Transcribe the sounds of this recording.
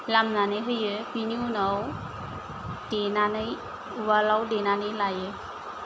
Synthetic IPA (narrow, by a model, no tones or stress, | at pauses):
lamnanɯɦɯjɯpiniunaw | d̥enanɯj | walawdenanijlajɯ